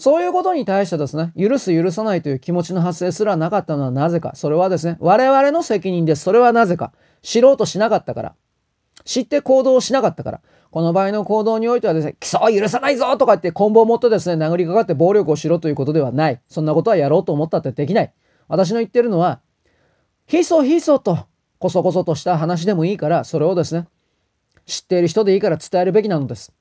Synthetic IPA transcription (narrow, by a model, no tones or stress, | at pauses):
so̞ːjɯ̟ːkot̪o̞ɲ̟it̪aiɕi̥t̪ed̪e̞sɨne̞jɯ̟ɾɯ̟sɨjɯ̟ɾɯ̟s̬anait̪o̞jɯ̟ːkʲimo̞t͡ɕino̞ɦase̞ːsɨɾanakat̪ːano̞βanaze̞ka̰so̞ɾe̞βad̪e̞sɨne̞βaɾe̞βaɾe̞no̞se̞kʲiɲ̟ĩnd̪esɨ̥so̞ɾe̞β̞anaze̞ka̰ | ɕiɾo̞ːt̪o̞ɕinakat̪ːaka̰ɾa̰ | ɕit̪ːe̞ko̞ːd̪o̞ːɕinakat̪ːakaɾa̰ | ko̞no̞baːino̞ko̞ːd̪o̞ːɲ̟io̞it̪e̞ad̪esɨnekʲi̥soːjɯ̟ɾɯ̟sanaizot̪okait̪ːekõ̞mbo̞ːmot̪ːe̞d̪e̞s̬ɨne̞naɡɯ̟ɾʲikakat̪ːe̞bo̞ːɾʲjo̞kɯo̞ɕiɾo̞ːt̪o̞jɯ̟ko̞t̪o̞d̪e̞βanaisõ̞nːako̞t̪o̞βajaɾo̞ːt̪o̞ːmo̞t̪ːat̪ːed̪e̞kʲinai | βat̪aɕ̬ino̞it̪ːe̞ɾɯ̟no̞βa | çiso̞ːçiso̞ːt̪o̞ | ko̞so̞ko̞so̞t̪o̞ɕi̥t̪aɦanaɕ̬id̪e̞mo̞iːkaɾaso̞ɾe̞o̞d̪e̞sɨne̞ | ɕi̥t̪ːe̞iɾɯ̟ç̬i̥t̪o̞d̪e̞iːkaɾat͡sɨ̥t̪aeɾɯ̟be̞kʲinano̞d̪esɨ̥